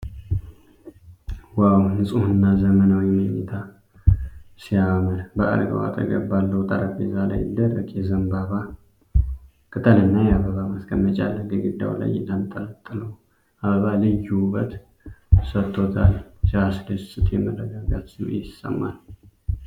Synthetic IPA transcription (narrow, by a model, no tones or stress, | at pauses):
wawnɨsʼuhɨnːazəmənawimənit̪ʰa | sijaməlbəʔa̰ɾɡə̰wa̰t̪ʼə̰ɡə̰bbalːəwt̪ʼaɾəbezala̰jd̪əɾəkʼjɛzəmbaβa | kʼɨt̪ʼʰəlɨnːajɛaβəβaməskʰʼəmːət͡ʃʼa̰lːəɡəɡɨd̪ːa̰wla̰jɪləmt̪ʼələt̪ʼːɨləw | aβəβalɨjuβət̪ | sət̪ʰʼːo̞t̪ʰalʃasdəssʼɨt̪ʰjɛmələɡəɡat̪sḭjɪsːə̰mːa̰l